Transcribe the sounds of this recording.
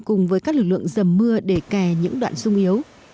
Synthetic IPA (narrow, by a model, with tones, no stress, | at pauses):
kʊ˨˩ŋ͡mvəː˨˦jkaː˦˥k̚lɨ˨˩k̚lɨ̰˧˨ə˨ŋzə˨˩mːɨ˧əɗe˧˩ka˧˩ɲɨ̰˧˥ŋɗwa̰ː˧˨nsʊ˧ŋ͡mʔi˨˦əw